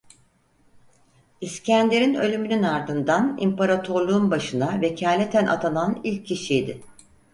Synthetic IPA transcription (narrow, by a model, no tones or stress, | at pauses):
iscʰænlʲeɾinø̞lʲymynynaɾd̪ɯnd̪anḭmpaɾat̪ʰo̞ɾlˠuunbaʃɯnavecʰaːlʲet̪ʰænʔa̰t̪ʰananilʲcʰːiʃijd̪ɪ